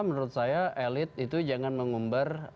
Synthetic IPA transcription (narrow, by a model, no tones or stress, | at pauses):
mənɾʊt̪̚sajaʔelɪt̪̚it̪ud͡ʒaŋanməŋumbar